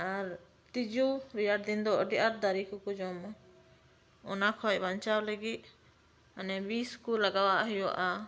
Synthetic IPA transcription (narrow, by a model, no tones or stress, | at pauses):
aɾ | t̪id͡ʒuɾijaɖd̪ind̪ɔʔəɖiʔaɾd̪aɾikukud͡ʒɔm | ɔnakʰɔjbant͡ʃawləɡit̪̚ | anɛbiskulːaɡawaʔɦɛjɔ̰ʔa